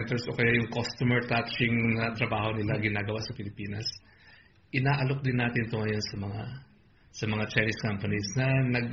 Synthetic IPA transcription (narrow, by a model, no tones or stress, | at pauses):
nt̪ɛɹsʔo̞kɐjajʊŋkost̪omɛɹt̪at͡ʃɪŋnɐt̪ɾɐbaːho̞nɪlaɡɪnaːɡɐwaʔsɐpɪlɪpiːnɐs | ʔɪnaːʔɐlo̞k̚d̪ɪnːaːt̪ɪnt̪oŋɐjo̞nsɐmɐŋa | sɐmɐŋat͡ʃajnɪskampɐnisnɐnɐɡ̚